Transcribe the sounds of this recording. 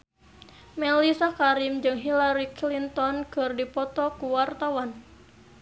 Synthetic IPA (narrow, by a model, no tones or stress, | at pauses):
mɛlisakaɾimd͡ʒɨŋɦilaɾiklint̪ɔnkərdipɔt̪ɔkuwart̪awan